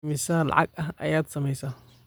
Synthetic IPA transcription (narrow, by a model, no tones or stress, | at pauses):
mɪsaːl̰ʕɑ̰ɡɐɦʔɐ̰jaːd̪sɐmɛjsaː